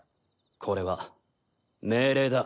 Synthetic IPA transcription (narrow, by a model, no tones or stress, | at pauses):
kʰo̞ɾe̞βa | me̞ːɾe̞ːd̪a